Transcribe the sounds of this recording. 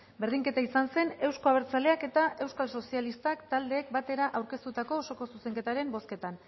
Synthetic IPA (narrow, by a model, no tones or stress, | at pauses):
be̞ɾð̞iŋke̞t̪aisanse̞ne̞wsko̞aβ̞e̞ɾt͡sale̞ake̞t̪aʔe̞wskalso̞sialist̪akt̪ald̪e̞ːk̚bat̪e̞ɾaʔawɾke̞st̪ut̪ako̞so̞ko̞suse̞ŋke̞t̪aɾe̞mbo̞ske̞t̪an